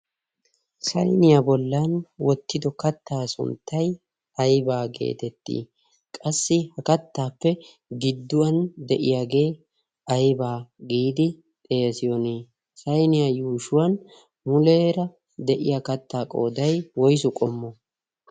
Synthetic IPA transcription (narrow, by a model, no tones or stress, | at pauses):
sɐjnɪjabɔlːɐnwɔt̪ːɪd̪ɔkɐt̪ːaːsʊ̰nt̪ːɐj | ɐjbaːɡe̞̰ːt̪ɛt̪ːḭː | kʼɐsːɪhɐkɐt̪ːaːpːɛ | ɡɪd̪ːʊwɐnd̪ɛʔɪjaːɡe̞ː | ɐjbaːɡiːd̪ɪ | t̪ʼeːsɪjɔneː | sɐjnɪjajuːʃʊwɐn | mʊleːɾɐ | d̪ɛʔɪ̰jakɐt̪ːaːkʼo̞ːd̪ɐjwɔjsʊkʼɔmːɔ